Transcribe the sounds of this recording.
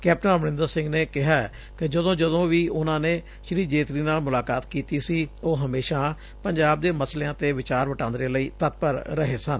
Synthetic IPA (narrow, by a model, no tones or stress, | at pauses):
kɛːp̚ʈənʋənɪ̃nd̪əɾsɪ̃ŋɡneːkɪɦaːɛ | kɪd͡ʒəd̪õːd͡ʒəd̪õːʋiːʔʊnãːneː | ʃɾiːd͡ʒeːt̪ɾiːnaːlmʊlaːkaːt̪kiːt̪iːsiːoːɦəmeːʃãː | pəɲd͡ʒaːb̚d̪eːməsleːãːt̪eːʋɪt͡ʃaːɾʋəʈãːnd̪ɾeːləiːt̪ət̪̚pəɾɾəɦeːsən